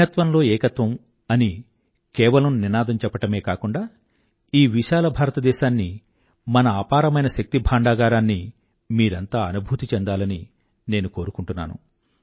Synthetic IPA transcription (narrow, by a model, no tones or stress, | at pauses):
ɐt̪ʋɐnlo̞ːɛːkɐt̪ʋɐm | ɐni | kɛːʋɐlɐmninaːd̪ɐmt͡ʃɛpːɐʈɐme̞ːkaːkuɳɖaː | iːʋiʃaːlɐbʱaːɾɐt̪ɐd̪ɛːʃaːnːi | mɐnɐaːpaːɾɐmɐjnɐʃɐk̚t̪ibʱaːɳɖaːɡaːɾaːnːi | miːɾɐnt̪aːɐnubʱuːt̪it͡ʃɛnd̪aːlɐni | ne̞ːnuko̞ːɾukuɳʈunːa̰ːnṵ